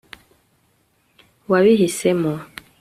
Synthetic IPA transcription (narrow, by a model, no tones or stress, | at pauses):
waβiɦisɛmɔ